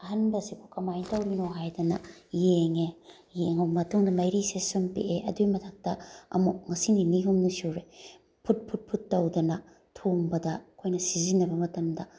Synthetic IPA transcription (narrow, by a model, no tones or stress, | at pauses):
ɐɦɐnbɐsipʰukɐmajtawɾinoɦajdɐnɐ̰jeŋe | jeŋommɐtʰuŋdɐmɐjɾisesonpḛʔeʔɐ̰dujmɐtʰɐk̚tɐɐ̰mukŋɐsininiɦumnusoɾe | pʰut̚pʰut̚pʰutːɐwdɐnɐ | tʰoŋbɐdɐkʰojnɐsizinɐbɐmɐtɐmdɐ